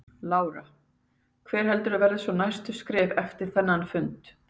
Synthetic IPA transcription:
laːwɾa | kʰvɛːɾ̥hɛlt̪ʏɾaðvɛɾðɪsvɔnajst̪ʏskɾɛːvɛft̪ɪɾ̥θɛnːanfʏnt̪

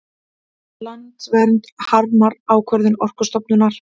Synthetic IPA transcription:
lant̪svɛɾnt̪haɾmaɾaːwkʰvœɾðɪnɔr̥kʏ̥st̪ɔpnʏnːaɾ̥

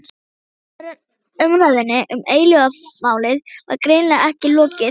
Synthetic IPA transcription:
ɾ | ʏmɾaðʏnːɪʔʏmeːjlʏɣamaːwlɪðva̰ɾkɾeːnlɛɣaɛhcɪlɔːcɪ

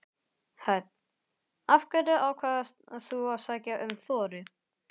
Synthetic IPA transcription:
hœt̪̚n | afkœɾʏawkʰvaːðasaθuawsaːcaʔʏmθɔːɾɪ

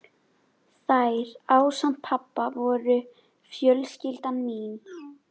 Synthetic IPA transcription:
θajɾaːwsam̥t̪̚pʰapːavɔɾʏ | fjœlscɪlt̪amiːn

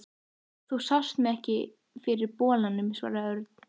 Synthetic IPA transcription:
θusawst̪mɪɛhcɪ | fɪɾɪɾpɔːlanːʏmsva̰ːɾaœɾt̪n̥

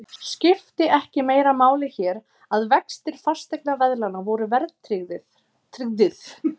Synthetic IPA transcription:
scɪft̪ɪʔɛhcɪmeːjɾamaːwlɪçɛːɾ | aðvɛkst̪ɪlfast̪ɛjk̚navɛðlanavɔwɾʏvɛɾðt̪ʰɾɪɣðɪ | t̪ʰɾɪɣðɪθ

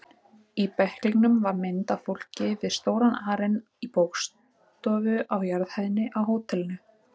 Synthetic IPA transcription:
ipɛhkliknʏmvaɾmɪnt̪afowl̥cɪvɪðst̪oːwɾanaːɾɪn | ipowks | t̪ɔːvʏʔawjaɾðhajðɪnːɪʔawɦoːwt̪ʰɛlɪnʏ

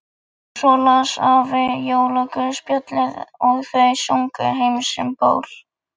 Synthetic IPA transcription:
sɔːlasavɪjoːwlɔkʏspjœt̪lɛðɔɣθejsjowŋkʏ̰ɦejmsʏ̰mpo̰ːwl̥

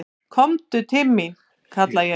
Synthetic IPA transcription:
kʰɔmt̪ʏt̪ʰɪlmi | kʰat̪lajɛ

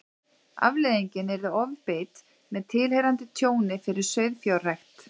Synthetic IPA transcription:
a̰vleːðiɲcɪnɛɾðɪɔvpeːt̪ | mɛðt̪ʰɪlhejɾant̪ɪt̪ʰjoːwnɪfɪɾɪɾ̥sœːɥðfjawrajxt̪

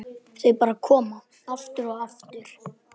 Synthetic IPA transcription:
θejpaːɾakʰɔːma | aft̪ʏɾɔɣaft̪ʏɾ̥

